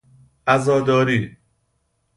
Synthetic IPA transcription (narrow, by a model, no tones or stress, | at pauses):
æzɒːd̪ɒːɾiː